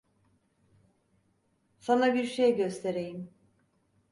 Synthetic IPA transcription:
sanabiɾʃejɛɟøst̪ʰe̞ɾe̞jim

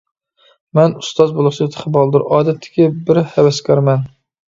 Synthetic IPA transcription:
mɛnust̪ɑzbolˠʊχt͡ʃ̪ʰt̪ʰə̥χəbɑlˠd̪ʊɾʔɑːd̪ɛt̪ʰːɪ̥kʲɪbɪɾhɛwɛskʲɑɾmɛn

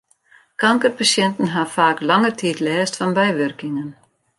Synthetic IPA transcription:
kaŋkəɾpasjɛnt̪n̩ɦafaːklɑŋəɾt̪ʰiːt̪lɛːst̪fanbɛjʋʏrkɪŋən

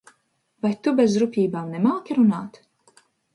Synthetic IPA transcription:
vajt̪ubɛzɾupʲiːbaːmnɛmaːkʲiɾunaːt̪

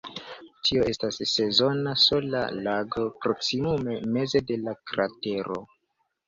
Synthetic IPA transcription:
tʰio̞e̞stasːe̞zo̞naso̞la̰laɡo̞pɾo̞ksimume̞me̞ze̞de̞lakɾate̞ɾo̰

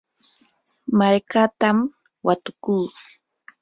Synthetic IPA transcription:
maɾkat̪am | wat̪ʊkuː

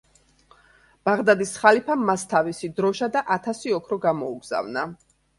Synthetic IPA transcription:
b̥aʁd̪ad̪isχalipʰamast̪ʰavisid̪ɾɔʃad̪aʔat̪ʰasiɔkʰɾɔɡamɔuɡz̥a̰vna

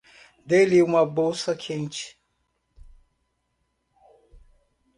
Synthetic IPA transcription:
d̪eliũmɐbowsɐkʰẽnt͡ʃi̥

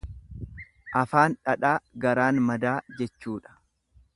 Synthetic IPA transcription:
ʔɐfaːnᶑɐᶑaːɡɐɾaːnmɐd̪aːd͡ʒɛt͡ʃːuːᶑɐ̥

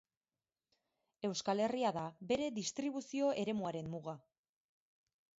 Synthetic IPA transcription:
e̞wskale̞riaðabe̞ɾe̞ðist̪ɾiβ̞usio̞ʔe̞ɾe̞muaɾe̞mːuɣa

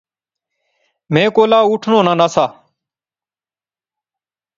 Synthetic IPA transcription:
mẽːkoːlaːuːʈʰnõːnãːnaːsaː

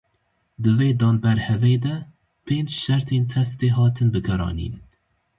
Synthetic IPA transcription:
d̪ɨveːd̪ɑːnbɛɾhɛveːd̪ɛ | pʰeːnd͡ʒʃɛɾt̪ʰeːnt̪ʰɛst̪eːɦɑːt̪ʰɨnbɨɡɛɾɑ̰ːnḭːn

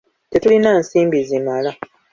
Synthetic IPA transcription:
te̞tulinansiːmbizimala

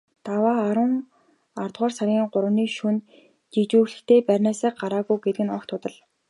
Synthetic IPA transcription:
t̪awaːɾə̆ŋ | art̪ʁɔːrsaɾʲiːŋɢʊɾə̆niːʃun | t͡ɕit͡ɕuːɮɘ̆xt̪ʰeːpærʲnaːsaːk̚ɢaɾaːɣujɡet̪ɘ̆ɡɘ̆nɔkt̪ʰʊt̪ə̆ɮ

